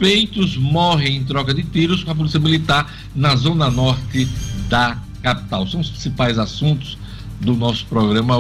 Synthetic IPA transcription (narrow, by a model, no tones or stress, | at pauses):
fejt̪ʊzmɔɦẽj̃ẽj̃t̪̬ɾɔkɐd̪ɪt̪iɾʊskõɐp̬olisiɐmilit̪aɾ | nɐzõnɐnɔɾt̪ɪd̪ɐ | kapi̥t̪awsɐ̃w̃ʊspɾĩsipajzasũt̪ʊ̥z | d̪ʊnɔsʊ̥pɾɔɡɾɐ̃mɐ